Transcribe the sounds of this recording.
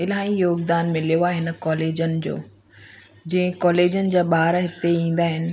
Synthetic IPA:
ɪlaːĩjoːɡd̪aːnmɪlijoaːɦɪnə̆kɔːleːd͡ʑənɪ̆d͡ʑo̰ː | d͡ʑĩɦɪ̃kɔːleːd͡ʑənɪ̆d͡ʑaːɓaːɾɦɪt̪eĩːn̆d̪aːɦɪnɪ̆

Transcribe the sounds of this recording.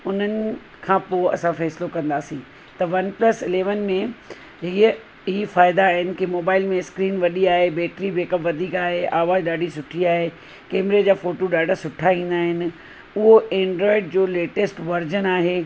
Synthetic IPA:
ʊn̤ənɪ̆ | kʰãːpoːɐ̰sãfɛːsɪlokɐ̃nd̪aːsĩː | t̪ɐʋɐnplɐsɪleːʋənmẽ | ɦiə | ɪɦifaːɪd̪aːɦɪnɪ̆kimoːbaːɪlmẽskɾiːnʋɐɗiaːɦebɛːʈɾibeːkəpʋɐd̪ʱiːkaːɦeʔaːʋaːzɗaːɖʱisʊʈʰiaːɦe | kɛːmɾed͡ʑaːfoːʈoɗaːɖʱasʊʈʰaʋĩːnd̪aːɦɪnɪ̆ | ʊɦoʔẽːɳɖɾɔːɪɖd͡ʑoːleːʈesʈʋɐɾd͡ʑənaːɦeː

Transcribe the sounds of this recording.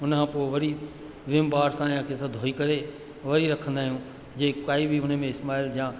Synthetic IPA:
ʊnkʰãːpoːɪʋɐɾi | ʋɪmbaːɾsãjãːkʰesãd̪ʱoːikɐɾe | ʋɐɾiɾɐkʰə̃nd̪aːɦijũ | d͡ʑeːkaːibʱiʊnmẽɪsmaːɪljãː

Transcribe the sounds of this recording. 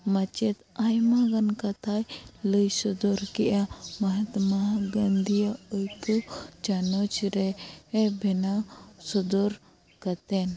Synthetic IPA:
mat͡ʃɛt̪ajmaɡankat̪ʰajləjsɔd̪ɔɾkɛʔjamɐɦat̪maɡɐnd̪ʱijaəjkət͡ʃanɔt͡ʃɾɛɛbʱɛnasɔd̪ɔɾ | kat̪ɛn

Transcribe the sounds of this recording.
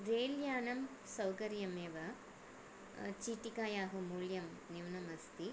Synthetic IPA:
ɾeːljaːnɐm | sɐwkɐɾjɐmeːʋɐ | t͡ʃiːʈikaːjaːɦumuɭjɐmnjuwnɐmɐst̪i

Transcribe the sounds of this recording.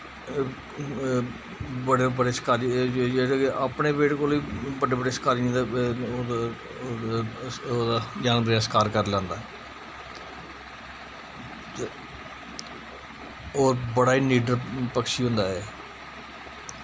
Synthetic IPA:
bəɽebəɖeːskaːɾieɡeʔaːpɳeːbeːʈkoːliːbəɖeːbəɖeːskaːɾĩd̪aː | oːd̪aːd͡ʒãːnpɾaːskaːɾkəɾlãːnd̪aː | oːɾbəɽaːiːniːɖəɾpəkʃiːɦʊ̃nd̪aːɛː

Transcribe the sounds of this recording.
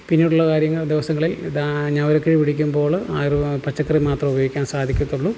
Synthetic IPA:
pinːiːɽuɭːɐkaːɾjɐŋːɐɭd̪iʋɐsɐŋːɐɭild̪aɲaɐʋɐɾokːepiɽikʲːumbo̞ːɭaːrpɐt͡ɕːɐkːɐremaːt̪rɐmubɐjoːɡikʲːaːnsaːd̪ʱikʲːut̪ːuɭːu

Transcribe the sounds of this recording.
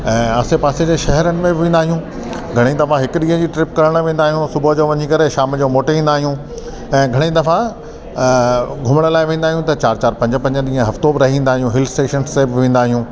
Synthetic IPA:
ɛ̃ːɐsepaːsed͡ʑeːʃɐɦɛɾənɪ̆mẽbɪʋẽːnd̪aːɦijũː | ɡʱɐɽ̃id̪ɐfaɦɪkʊɗĩːɦə̃d͡ʑiːʈɾɪpkɐɾəɽ̃ʋẽːnd̪aːɦijũsʊbʱod͡ʑoːʋɐɲikɐɾeʃaːmd͡ʑoːmoːʈʋĩːn̆d̪aːɦijũ | ɛ̃ːɡʱɐɽ̃id̪ɐfa | ɡʱʊməɽ̃əlaːɪʋẽːn̆d̪aːɦijũt̪ɐt͡ɕaːɾt͡ɕaːɾpɐ̃ɲd͡ʑəpɐ̃ɲd͡ʑəɗĩːɦə̃ɦɐft̪obɪɾɐɦĩːnd̪aːɦijũɦɪlsʈeːʃənsːebɪʋẽːnd̪aːɦijũː

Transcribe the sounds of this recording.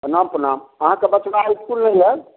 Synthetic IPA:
ənampənaməɦãkebət͡ʃʋaiskulnəjɦɛl

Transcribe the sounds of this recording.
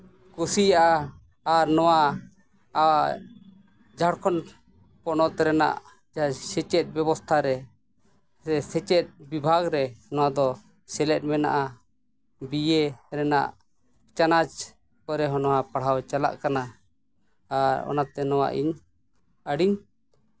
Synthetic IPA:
kusijaʔaː | ɾnɔwa | a | d͡ʒʱaɽkʰɔn | pɔnɔt̪ɛɾɛna̰ʔ | d͡ʒasɛt͡ʃɛt̪̚bɛbɔst̪ʰaɾɛ | ɛsɛt͡ʃɛt̪̚ˀbibʱaɡɾɛnɔwad̪ɔ | sɛlɛt̪̚ˀmɛna̰ʔa | bijeɾɛna̰ʔ | t͡ʃanad͡ʒ | kɔɾɛɦɔnɔwapaɽ̤awt͡ʃala̰ʔkanaː | ɾɔ̰nat̪ɛnɔwa̰ʔḭɲ | əɽiɲ

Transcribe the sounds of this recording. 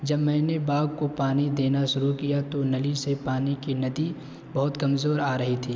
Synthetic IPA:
d͡ʒɐbmɛ̃ːnebaːɡkopaːnid̪eːnaʃʊɾukijat̪onɐlisepaːnikinɐd̪i | bɐɦʊt̪kɐmzoːɾaːɾɐɦit̪ʰiː

